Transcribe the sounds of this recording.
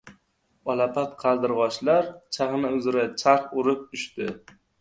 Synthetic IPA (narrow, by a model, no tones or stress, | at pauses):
ɒlapʰat̪qʰɑlˠd̪ɪɾʁɒʃlaɾt͡ʃʰaχnɪʊzɪɾat͡ʃʰaɾχʊɾɪp̚ʊʃt̪ɪ